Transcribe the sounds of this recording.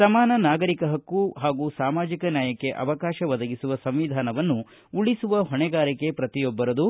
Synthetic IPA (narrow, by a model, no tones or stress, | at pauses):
sɐmaːnɐnaːɡɐɾikɐɦɐkːuɦaːɡusaːmaːd͡ʒikɐnjaːjɐkːe̞ʔɐ̰ʋɐkaːʃɐʋɐd̪ɐɡisuʋɐsɐmʋid̪ʱaːnɐʋɐnːu | uɭisuʋɐɦɔɳɛɡaːɾike̞pɾɐt̪ijobːɐɾɐd̪u